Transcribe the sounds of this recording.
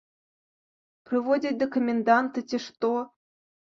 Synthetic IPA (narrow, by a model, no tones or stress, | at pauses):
prʲivodʲit̪̚ʲd̪okomʲend̪ɑnt̪ɨtʲĕʂt̪o